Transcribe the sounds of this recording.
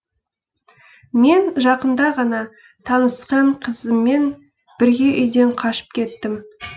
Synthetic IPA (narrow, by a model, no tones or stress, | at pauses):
me̞nʒɑqənd̪ɑʁɑnɑ | t̪ʰɑnəsqɑɴqʰəzəmːe̞n | b̥ɪɾɡʲe̞ʔʏjd̪e̞ɴqʰɑʃə̥p̚kʲʰe̞t̪ːɪm